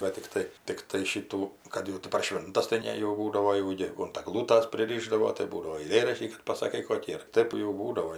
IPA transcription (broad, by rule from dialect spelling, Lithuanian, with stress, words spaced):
ˈʋɐ tʲɪkˈtɐɪ ˈtʲɪktɐɪ ˈʃʲɪtuː ˈkɐt jɛʊ tʲɪ pɐr ˈʃʲʋʲɪntɐs tɐɪ ˈnʲɛ jɛʊ ˈbuːdɐʋoː jɛʊ ˈjeːɡʊ ʊnt ɐˈɡlˠuːtɐs pʲrʲɪˈrʲiːʒdɐʋoː tɐɪ ˈbuːdɐʋoː ɐɪˈlʲeːrɐʃʲtʲiː kɐt pɐsɐˈkɐɪ ˈkoːkʲiː ɐr ˈtɜp jɛʊ ˈbuːdɐʋoː